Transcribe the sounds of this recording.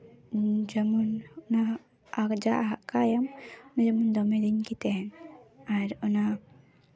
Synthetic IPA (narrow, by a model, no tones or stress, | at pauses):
d͡ʒamunɔna | akd͡ʒaʔɦaʔkajamnad͡ʒamund̪ɔmɛd̪iɲkit̪ɛnaɾɔna